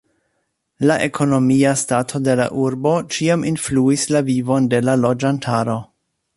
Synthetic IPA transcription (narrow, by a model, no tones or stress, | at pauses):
laʔe̞kʰo̞no̞miastatʰo̞de̞la̰ʔuɾbo̞t͡ʃiamʔinfluislavivo̞nde̞lalo̞d͡ʒantʰaɾo̞